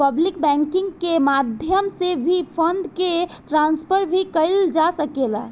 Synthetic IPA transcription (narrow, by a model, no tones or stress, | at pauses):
pəblikbɛ̃ŋkɪ̃ŋɡkemad̪ʱjəmsebʱipʰənd̪keʈɾãnspʰəɾbʱikəɪld͡ʒasəkela